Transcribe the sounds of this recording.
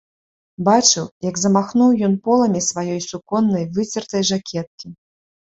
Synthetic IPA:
bat͡ʂɨwjɐɡzɐmaxnuwjɔnpɔlˠɐmʲisvajɔjsukɔnːɐjvɨt͡sʲɛrt̪ɐjʐakʲʰɛt̪̚kʲi

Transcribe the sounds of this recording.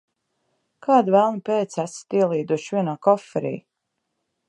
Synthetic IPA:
kʰaːd̪vælˠnipeːt̪sæsi̥t̪iɛlˠiːd̪uʃvʲiɛnaːkɔfːɛɾḭː

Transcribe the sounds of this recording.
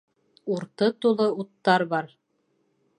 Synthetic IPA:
uɾt̪ɤt̪ulˠɤut̪ːɑɾbɑɾ

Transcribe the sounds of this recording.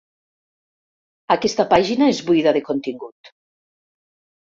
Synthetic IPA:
akest̪apaʒinaezβuiðaðekont̪iŋɡut̪

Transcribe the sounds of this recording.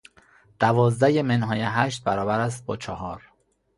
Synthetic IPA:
d̪̥ævɒːzd̪æjemenɦɒːjeɦæːʃt̪̚bæɾɒːbæɾæs̬t̪̚bɒːt͡ʃʰɒhɒːɾ

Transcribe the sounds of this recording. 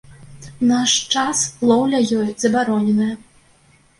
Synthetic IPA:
naʂt͡ʂaslˠɔwlʲɐjɔjzɐbaɾɔnʲɛnɐjɐ

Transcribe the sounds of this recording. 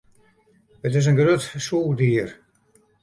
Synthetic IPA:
ətɪs̬ənɡrøtsuːlˠdiər

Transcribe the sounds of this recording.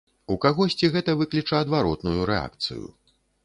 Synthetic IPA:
ukaɣɔsʲt͡sʲiɣɛt̪ɐvɨklʲit͡ʂɐɐd̪vaɾɔt̪nujuɾɛa̰k̚t̪sɨ̰jṵ

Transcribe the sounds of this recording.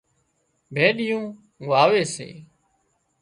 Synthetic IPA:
bʱeːɗɪjũː | ɠʋaːʋeːsḛː

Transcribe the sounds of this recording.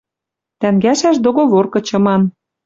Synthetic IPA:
t̪æŋɡæʃæʃd̪oɣoβorkɤ̆t͡ɕɤ̆mɑn

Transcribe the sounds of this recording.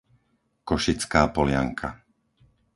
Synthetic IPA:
kɔʃit͡skaːpɔlɪa̰ŋkʰa

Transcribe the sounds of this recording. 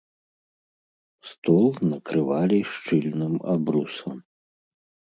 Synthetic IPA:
st̪ɔlˠnɐkɾɨvalʲiʂt͡ʂɨlʲnɨma̰bɾusɐ̰m

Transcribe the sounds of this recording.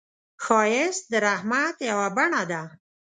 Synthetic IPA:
xɑjɪs̚d̪əɾahmat̪jawabaɳad̪a

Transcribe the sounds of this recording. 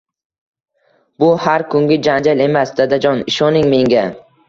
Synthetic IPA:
bʊhaɾkʰʊŋɡʲɪd͡ʒand͡ʒale̞masd̪ad̪ad͡ʒɒnɪʃɒnɪŋme̞ŋɡʲa

